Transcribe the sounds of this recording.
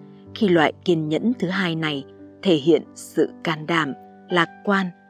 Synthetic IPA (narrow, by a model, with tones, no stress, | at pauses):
xi˧lwa̰ː˧˨jki˨˩ənɲə̰˧˥nt̪ʰɨ˨˦ɦaː˧jna˨˩j | t̪ʰe˧˩ɦḭ˧˨ənsɨ̰˧˨kaː˧˩nɗaː˧˩m | laː˨˩k̚kwaː˧n